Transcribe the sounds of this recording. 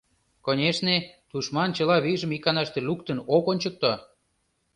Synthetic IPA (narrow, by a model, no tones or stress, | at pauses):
konʲeʃnet̪uʃmɑnt͡ɕə̆lɑβiʒə̆mikɑnɑʃt̪elukt̪ənokonʲt͡ɕək̚t̪o